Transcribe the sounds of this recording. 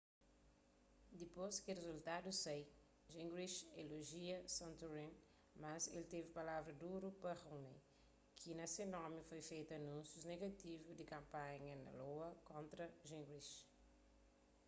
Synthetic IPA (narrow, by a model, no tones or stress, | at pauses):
d̪iposkerezult̪ad̪usej | ʒĩŋɡɾiʃeloʒiɐsɐ̃nt̪uɾẽn | mɐselt̪evɪpalavɾɐd̪uɾupɐhowne | kʰinɐsenɔɾmifojfejt̪ɐnũnsjuzneɡɐt̪ivud̪ikɐ̃mpãɲɐnɐ̰lowɐkõnt̪ɾɐʒĩŋɡɾiʃ